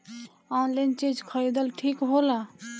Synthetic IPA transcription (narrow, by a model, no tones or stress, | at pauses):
ɔnlajnt͡ʃed͡ʒkʰəjd̪əlʈʰikɦola